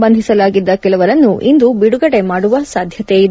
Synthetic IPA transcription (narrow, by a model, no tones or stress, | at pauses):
bɐnd̪ʱisɐlaːɡid̪ːɐkɛlɐʋɐɾɐnːuʔind̪ubiɽuɡɐɽe̞maːɽuʋɐsaːd̪ʱjɐt̪ejid̪